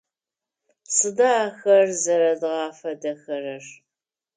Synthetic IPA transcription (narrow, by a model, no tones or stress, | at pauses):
sɨdɐːxɐrzɐɾɐdʁɑːfɐdɐxɐrɐr